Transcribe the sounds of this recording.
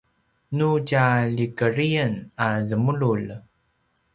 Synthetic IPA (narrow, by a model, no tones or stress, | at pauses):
nucalikəɾiənazəmuɭul